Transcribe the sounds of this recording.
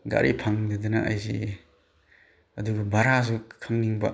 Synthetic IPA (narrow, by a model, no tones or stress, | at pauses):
ɡa̰ɾʔḭpʰaŋdɐd̪ɯnɐʔajzi | ɐduɡɐbaɾazukʰamniŋbɐ̰